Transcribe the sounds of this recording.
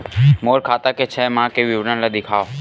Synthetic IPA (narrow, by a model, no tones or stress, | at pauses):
moːɾkʰaːt̪aket͡ʃʰɛːmãːkeʋjuːʋnãlad̪ɪkʰaːo